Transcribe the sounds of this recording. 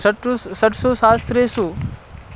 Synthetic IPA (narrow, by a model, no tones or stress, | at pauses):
ʈsəʈʰsoːsaːst̪ɾesu